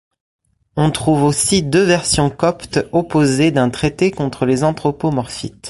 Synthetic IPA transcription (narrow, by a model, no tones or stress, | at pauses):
ɔ̃t̪χuvosid̪øvɛʁsjɔ̃kɔpt̪ɔpozed̪ɛ̃t̪χet̪ekɔ̃t̪χəlezɑ̃t̪χɔpomɔʁfḭt̪